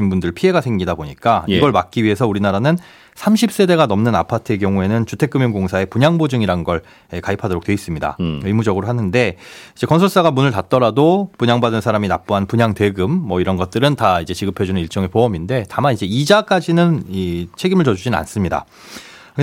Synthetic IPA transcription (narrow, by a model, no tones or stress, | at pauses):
inbundɯɭpʰie̞ɡasʰe̞ŋɡidaboɲik͈ajiɡʌɭmak̚k͈iɥiɦe̞s̬ʰʌuɾinaɾanɯn | sʰamɕʰip̚s͈e̞de̞ɡanʌmnɯna̰pʰatʰɯe̞k̬jʌŋue̞nɯnt͡ɕutʰe̞k͈ɯmjʌŋɡoŋsʰae̞puɲaŋbod͡ʑɯŋiɾaɯnɡʌɭ | ekaipʰadoɾok̚t͈we̞is͈ɯmɲida̰ɯmud͡ʑʌɡɯɾoɦanɯnde̞id͡ʑe̞kʌnsʰʌɭs͈aɡamunɯɭtat̚t͈ʌɾadopuɲaŋbadɯnsʰaɾaminap̚p͈uɦanpuɲaŋte̞ɡɯmːʌiɾʌnɡʌt̚t͈ɯɾɯntaid͡ʑe̞t͡ɕiɡɯpʰʌd͡ʑunɯniɭt͡ɕ͈ʌŋe̞poʌminde̞tamanid͡ʑe̞id͡ʑak͈ad͡ʑinɯnit͡ɕʰe̞ɡimɯɭt͡ɕʌd͡ʑud͡ʑina̰ns͈ɯmɲida̰